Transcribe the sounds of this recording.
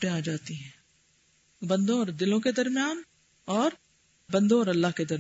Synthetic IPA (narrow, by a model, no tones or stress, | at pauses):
ʈẽaːd͡ʒaːt̪iɦɛ̃ː | bɐ̃nd̪õɔːɾd̪ɪlõked̪ɐɾmjaːn | ɔːɾ | bɐ̃nd̪õɔːɾɐlːaɦked̪ɐɾ